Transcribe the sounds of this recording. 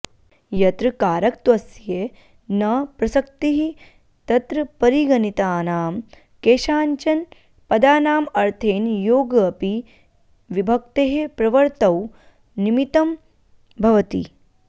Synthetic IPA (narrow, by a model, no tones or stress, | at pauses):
jɐt̪ɾɨkaːɾɐk̚t̪ʋɐsje | nɐpɾɐsɐk̚t̪iɦi | t̪ɐt̪ɾɐpɐɾiɡɐnit̪aːnaːm | keːʃaːɲt͡ʃɐn | pɐd̪aːnaːmɐɾt̪ʰeːnjoːɡpi | ʋibʱɐk̚t̪eɦepɾɐʋɐɾt̪ɐw | nimit̪ɐm | bʱɐʋɐt̪ḭ